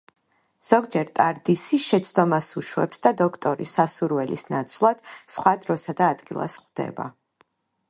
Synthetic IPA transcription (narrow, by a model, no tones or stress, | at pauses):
z̥ɔɡd͡ʒɛɾt̪ʼaɾd̪isiʃɛt̪sʰd̪ɔmasuʃwɛpsd̪ad̪ɔkʰt̪ʼɔɾisasuɾwɛlḭsnat̪sʰvlˠad̪̥sχwad̪ɾɔsad̪aːd̪ɡilˠa̰sχd̪̥ɛ̰ba̰